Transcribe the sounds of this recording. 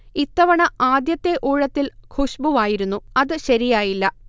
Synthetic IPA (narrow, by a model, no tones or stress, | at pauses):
it̪ːɐʋɐɳɐaːd̪jɐt̪ːe̞ʔuːɻɐt̪ːilkʰuɕbuʋaːjiɾunːuɐðɨɕɐɾijaːjilːɐ